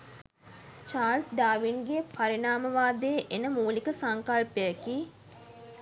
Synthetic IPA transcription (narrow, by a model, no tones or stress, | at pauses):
t͡ʃaːlsɖaːʋinɡepaɾinaːməʋaːd̪eʔenəmuːlikəsaŋkalpejəki